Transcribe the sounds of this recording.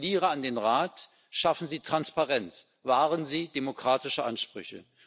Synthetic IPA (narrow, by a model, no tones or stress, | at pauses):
liːʁəandeːnʁaːt | ʃafn̩ziːtʁ̥anspaʁɛnt͡s | vaːʁənziːdemokʁ̥aːtɪʃəʔanʃpʁ̥ʏ̰çə̰